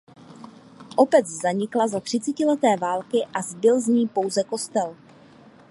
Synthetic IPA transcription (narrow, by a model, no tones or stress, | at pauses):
ʔo̞pɛt͡szaɲɪklazat̪r̝̥ɪt͡sɛcɪlɛt̪ɛːvaːlkɪʔazbɪlzɲiːpo̞wzɛko̞st̪ɛl